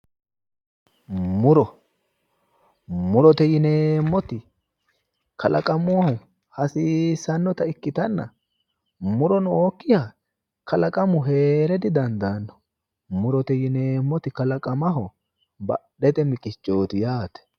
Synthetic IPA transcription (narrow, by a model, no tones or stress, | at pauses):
mʊɾɔ | mʊɾɔt̪ɛjɪneːmːɔt̪ɪ | kɐlʔɐkʼɐmʊɐhɔ | hɐsiːsːɐnːɔt̪ɐɪkːɪt̪ɐnːɐ̰ | mʊɾɔnʊoːkːɪjaː | kɐlɐkʼɐmʊɦeːɾɛd̪ɪd̪ɐnd̪anːɔ̥ | mʊɾɔt̪ɛjɪneːmːɔt̪ɪkɐlɐkʼɐmɐɦɔ | bɐ̰ɗɛt̪ɛmɪkʼɪt͡ʃʼːo̞ːt̪ɪjaːt̪ɛ̥